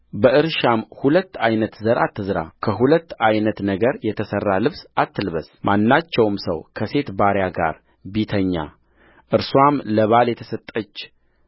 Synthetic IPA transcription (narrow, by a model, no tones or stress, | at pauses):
bəʔɨɾʃamhulət̪ːajnət̪zəɾa̰t̪ʰːɨzɨɾa̰kʰəɦulət̪ːajnət̪nəɡəɾjɛt̪ʰəsərːalɨβsʔat̪ːɨlβəsmʔanːat͡ʃːɛwmsə̰wkʰəse̞t̪baɾjaɡa̰ɾ | bit̪ʰəɲːa̰ | ʔɨɾswamləβaljɛt̪ʰəsət̪ʼːət͡ʃː